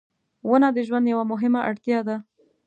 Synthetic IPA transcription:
wənad̪əʒwand̪jawamʊɦɪmaʔaɽt̪jɑd̪a

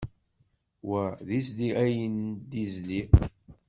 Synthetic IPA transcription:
wæðisliæjənd̪izli

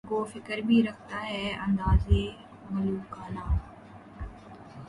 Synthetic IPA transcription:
ɡoːfɪkəɾbʱiɾɐkʰt̪aɦɛːɐ̃nd̪aːze | mɐluːkʰaːnaː

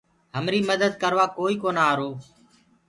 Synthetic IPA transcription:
ɦəmɾiːməd̪əd̪̚kəɾʋaːkoːiːkoːnaːɾoː

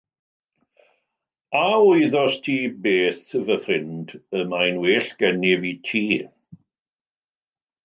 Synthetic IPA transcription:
aʊjðɔstʰiːbeːθvəfrɪndəmajnweːɬɡ̥ɛnɪvitʰiː

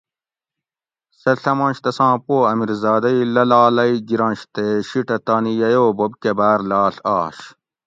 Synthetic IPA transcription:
sɐɬɐmɐ̃ːɕt̪ɐsãːpoːɐmiɾzaːd̪ɐilɐlaːlɐiɡiɾɐ̃ːnɕt̪eɕiʈɐt̪aːnijɐjoːbobkebaːɾlaːɬaːɕ

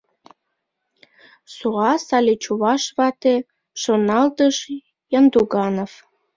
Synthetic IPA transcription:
suʁɑsɑlʲet͡ɕuβɑʃβɑt̪e | ʃonɑlt̪əʃ | jɑnd̪uɣɑnof

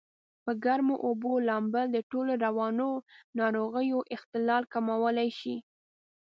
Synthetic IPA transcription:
pəɡaɾmoʔobolɑmbəld̪əʈoloɾawɑnonɑɾoɣəjoʔɪxt̪ɪlɑlkamawəlajʃi

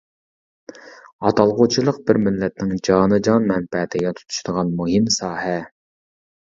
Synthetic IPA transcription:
ɑt̪ʰɑlˠʁot͡ʃʰilˠəq̚bɪɾmɪlːɛt̪̚nɪŋd͡ʒɑːnɨd͡ʒɑnmɛnpɛt̪ʰɪɡʲɛt̪ʰu̥t̪ʰu̥ʃd̪əʁɑnmuɦɪmsɑːhɛ

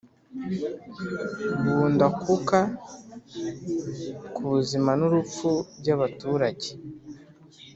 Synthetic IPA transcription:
βuːndakuka | kuβuzimanuɾup͡fuɾɟaβatuɾaɟe

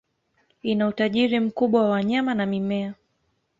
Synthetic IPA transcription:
inautaʄiɾim̩kuɓwawawaɲamanamimɛa

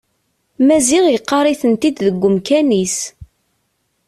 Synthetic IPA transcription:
mæziʁjqːɑɾˤiθənt̪id̪ðəɡʷːʊmkænis

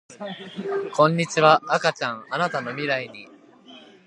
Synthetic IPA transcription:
kõ̞ɲ̟ːit͡ɕiβaːkat͡ɕãŋanat̪ano̞mʲiɾaiɲ̟i

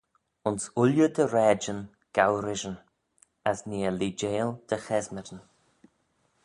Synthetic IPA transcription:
ʊnsʊljəd̪əɾɛːd͡ʒən | ɡ̥awɾɪʒən | asniːəliːd͡ʒeːld̪̥əxɛzməɾən

